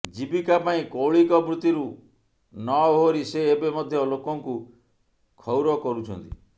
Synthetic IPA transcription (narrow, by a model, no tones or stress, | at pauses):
d͡ʒibikapaĩkoɭikɔbɾut̪iɾu | nɔɦoɾiseːbemɔd̪ʱjɔlokɔŋku | kʰɔwɾɔkɔɾut͡ʃʰɔ̰nt̪ḭ